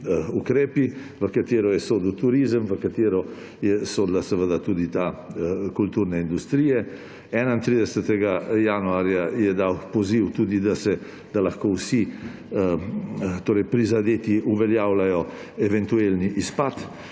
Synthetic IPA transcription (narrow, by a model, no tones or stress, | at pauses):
ukɾeːpi | ʋəkat̪eːɾɔjɛsoːd̪lt̪uɾizəmvəkat̪eːɾɔ | jɛsod̪lasəʋəd̪at̪ud̪it̪akult̪uːɾnɛind̪ust̪ɾiːjɛ | ɛnaint̪ɾid̪ɛsət̪ɛɡajanuaɾjajɛd̪awpɔziwt̪uːd̪id̪asɛ | d̪̥alaxkowsi | t̪oɾɛjpɾizad̪et̪iuvɛljaːwlajɔ | evɛnt̪uelniʔispat̪